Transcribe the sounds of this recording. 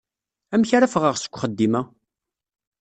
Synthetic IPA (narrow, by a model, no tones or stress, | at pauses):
æmçaɾafəʁəʁsə̥kʷːχəd̪ːimæ